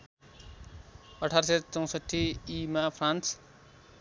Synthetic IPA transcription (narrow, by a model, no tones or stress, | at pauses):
ʌʈʰaɾʌset͡sʌ̃w̃sʌʈʰːiːmapʰrans